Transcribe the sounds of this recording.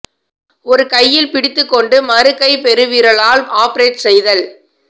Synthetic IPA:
ɔɾɯkɐjːɪlpɪɽɪt̪ːɯkːɔɳɖɯmɐɾɯkːɐɪpɛɾɯʋiːɾɐɭaːlaːpɐɾeːʈsɛjðɐl

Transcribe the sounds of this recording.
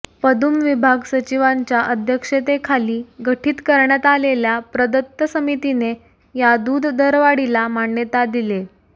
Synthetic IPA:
pəd̪ʱumʋibʱaɡsət͡ɕiʋaɲt͡ɕjaʔəd̪ʱjəkʂet̪ekʰaliːɡəʈʰiːt̪kəɾɳjat̪aleljapɾəd̪ət̪ːəsəmit̪ine | jad̪uːd̪ʱːəɾʋaɽilamaɳːjət̪ad̪ile

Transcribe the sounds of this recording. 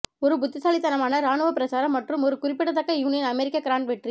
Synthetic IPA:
ɔɾɯbʊt̪ːɪsaːlɪt̪ːɐnɐmaːnɐɾaːnɯʋɐpɪɾɐsaːɾɐmːɐʈrɯmɔɾɯkʊɾɪpːɪɽɐt̪ːɐkːɐjuːnɪjɐnɐmɛɾɪkːɐkɾaːɳʈʋɛʈri

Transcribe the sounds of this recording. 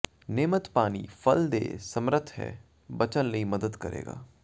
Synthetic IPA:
neːmət̪paːnḭfɐld̪eːsɐmɾət̪ʰɦɛ̰ː | bɐt͡ʃənlɐɦimɐd̪əd̪kɐɾʔḛːɡa̰ː

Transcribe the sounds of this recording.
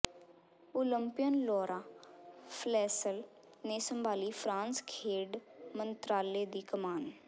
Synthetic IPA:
ʊləmpɪjənlɔːɾʔaːpʰlɛːsəl | neːsəmbaːliːpʰɾãːnskʰeːɖmənt̪ɾaːleːd̪iːkəmaːn

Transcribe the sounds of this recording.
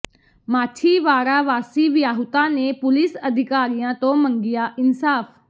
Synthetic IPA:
maːʈʰiːʋaːɾaːʋaːsiːʋɪjaːɦʊt̪ãːneːpʊlɪsəd̪ʱɪkaːɾijãːt̪õːmə̃ŋɡɪjaːʔɪnsaːfʰ

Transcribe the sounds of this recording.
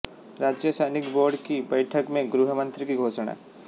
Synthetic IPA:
ɾaːd͡ʒjəsəjnɪkboːɾɖkibəjʈʰəkmẽɡɾuɦəmə̃nt̪ɾikiɡʱoːsɳ̃a̰ː

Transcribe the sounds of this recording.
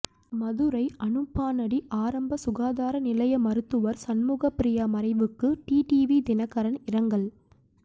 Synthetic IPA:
mɐðɯɾɐɪʔɐnɯpːaːnɐɽiʔaːɾɐmbɐsʊɣaːðaːɾɐnɪlɐjɐmɐɾɯt̪ːɯʋɐɾsɐnmuːɣɐpɾɪjɐmɐɾɐɪʋɯkːɯʈiːʈiʋid̪ɪnɐkːɐɾɐnɪɾɐŋɡɐɭ

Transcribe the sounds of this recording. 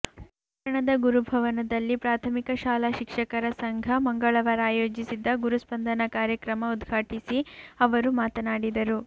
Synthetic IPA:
ɐ | ʈɐɳɐd̪ɐɡuɾubʱɐʋɐnɐd̪ɐlːipɾaːt̪ʰɐmikɐʃaːlaːʃikʂɐkɐɾɐsɐŋɡʱɐmɐŋɡɐɭɐʋɐɾaːjoːd͡ʒisid̪ːɐɡuɾuspɐnd̪ʱɐnɐkaːɾjɐkɾɐmɐud̪ɡʱaːʈisiɐʋɐɾumaːt̪ɐnaːɽid̪ɐɾu

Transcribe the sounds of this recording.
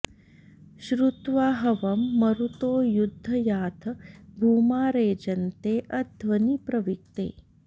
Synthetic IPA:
ʃɾut̪ʋaːɦɐʋɐmːɐɾut̪oːjud̪ʱːɐjaːt̪ʰɐbʱuːmaːɾeːd͡ʒɐnt̪eːʔɐd̪ʱʋɐnipɾɐʋik̚t̪ḛː

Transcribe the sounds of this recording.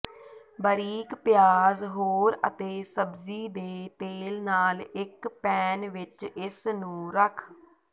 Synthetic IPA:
bəɾiːkpɪjaːzɦoːɾə̰t̪eːsəbziːd̪eːt̪eːlnaːlɪkpɛːnʋɪt͡ʃɪsnũːɾəkʰ

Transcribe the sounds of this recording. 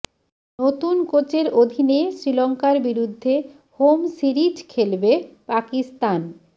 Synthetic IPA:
not̪unkot͡ɕeɾod̪ʱinesɾilɔŋkaɾbiɾud̪ʱːe | homsiɾiʈkʰelbepakist̪an

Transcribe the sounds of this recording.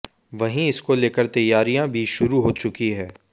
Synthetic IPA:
ʋɐɦĩɪskoleːkəɾt̪ɐjːaːɾijãbʱiʃʊɾuɦoːt͡ʃʊkiɦɛ̃ː

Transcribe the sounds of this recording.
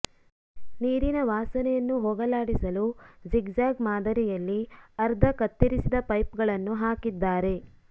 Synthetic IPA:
niːɾinɐʋaːsɐnɛjɐnːuɦɔɡɐlaːɽisɐlud͡ʒiɡd͡ʒaːɡmaːd̪ɐɾijɐlːiɐɾd̪ʱɐkɐt̪ːiɾisid̪ɐpɐjpɡɐɭɐnːuɦaːkid̪ːaːɾe̞

